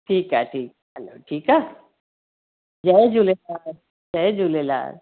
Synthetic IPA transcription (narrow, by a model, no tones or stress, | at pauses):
ʈʰiːkɦa̰ːʈʰiːk̚ | ɦɛlo̰ːʈʰiːkaː | d͡ʒɛed͡ʒulelaːɾ | d͡ʒɛed͡ʒulela̰ːɾ